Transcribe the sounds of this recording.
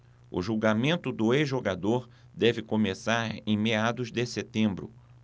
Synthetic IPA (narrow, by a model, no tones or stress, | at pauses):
ʊ̰ʒuwɡamẽnt̪ʊd̪ʊezʒoɡad̪oɾ | d̪ɛvɪkomesaɾḛ̃j̃mead̪ʊzd̪ɪset̪ẽmbɾʊ̰